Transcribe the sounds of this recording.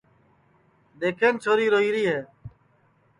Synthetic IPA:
ɗ̪eːkʰeːnt͡ʃʰoːɾiːɾoɦiːɾiːɦeː

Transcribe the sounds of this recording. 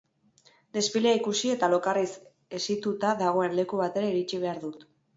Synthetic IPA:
d̪e̞sfileaikusie̞t̪alo̞karis | e̞sit̪ut̪aðaɣ̞o̞e̞nle̞kuβ̞at̪e̞ɾaiɾit͡ʃiβ̞e̞aɾðut̪

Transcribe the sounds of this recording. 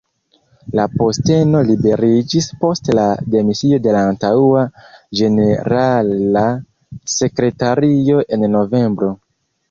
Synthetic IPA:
lapo̞ste̞no̞libe̞ɾid͡ʒispo̞stlade̞misio̞de̞laːntauad͡ʒe̞ne̞ɾala | se̞kɾe̞taɾio̞ʔe̞nno̞ve̞mbɾo̞

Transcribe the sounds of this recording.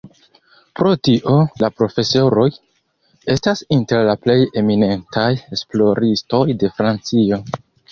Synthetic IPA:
pɾo̞tiʔo̞lapɾo̞fe̞so̞ɾo̞j | e̞stasinte̞ɾlaple̞je̞mine̞ntaje̞splo̞ɾisto̞jde̞fɾant͡sio̞

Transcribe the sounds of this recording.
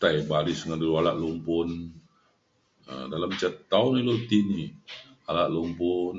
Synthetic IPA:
t̪ajbalɪsŋandulualaʔlumpʊn | ə̰dalamt͡ʃət̪aunilot̪iniʔ | alaʔlumpʊn

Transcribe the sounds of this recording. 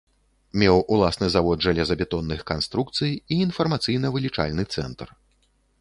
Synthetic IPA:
mʲɛwulˠasnɨzavɔd̪ʐalʲɛzɐbʲɛt̪ɔnːɨxkanst̪ɾukt̪sɨjiːnfɐrmat̪sɨjnɐvɨlʲit͡ʂa̰lʲnɨt̪sɛ̰nt̪r

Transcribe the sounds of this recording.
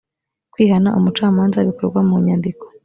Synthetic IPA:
kwiːhanaʔumut͡ʃaːmaːnzaβikoɾɡwamuɲandiko̥

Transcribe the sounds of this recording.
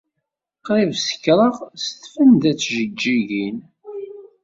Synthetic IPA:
qɾˤivsə̥kːɾˤəʁst̪fənd̪æt͡sːʒəɡːiʝin

